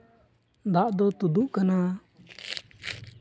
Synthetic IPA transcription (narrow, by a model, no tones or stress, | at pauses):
d̪aʔd̪ɔt̪ud̪uʔkana